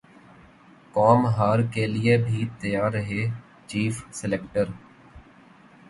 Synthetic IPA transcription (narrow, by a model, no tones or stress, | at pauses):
kɔːmɦaːɾkelɪebʱit̪əjaːɾəɦeː | t͡ʃiːfsɪlekʈəɾ